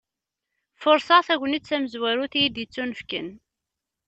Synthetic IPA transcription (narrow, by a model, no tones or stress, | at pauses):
fʊɾˤsɑθæʝʷənit͡sːæməzwæɾuθijid̪jət͡sːunəfkə̰n